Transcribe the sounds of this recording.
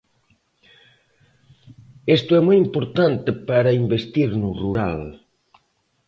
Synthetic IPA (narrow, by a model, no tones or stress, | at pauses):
est̪ʊɛmojimpoɾt̪ant̪epaɾɐimbest̪iɾnuruɾa̰l